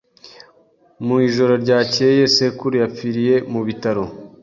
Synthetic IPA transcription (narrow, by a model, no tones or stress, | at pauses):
muiʒo̞ɾo̞ɾɟaːce̞je̞se̞kuɾujap͡fiɾije̞muβitaɾo̞